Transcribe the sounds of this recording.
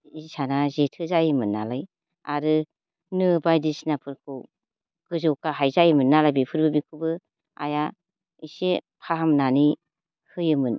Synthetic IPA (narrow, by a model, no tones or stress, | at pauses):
isanazetʰɯzajɯmɯnːalaj | a̰ɾɯ | nɯbajdisnapʰɯɾkʰɯw | ɡ̥ɯzɯwkaɦajzajɯmɯnːalajbipʰɯɾbɯbikʰɯbɯ | a̰ja | isepʰaɦamnani | hɯjɯmɯn